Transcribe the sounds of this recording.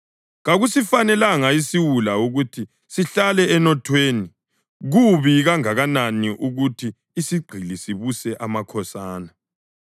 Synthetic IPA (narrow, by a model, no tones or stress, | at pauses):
ɣaɣusifanɛlaŋaisiwulauɣutʰi | siɬalɛɛnɔtʰweːni | ɣuβiɣaŋaɣananiʔuɣutʰiː | siɡ͡ǃʱilisiβusɛʔamakʰɔsaːna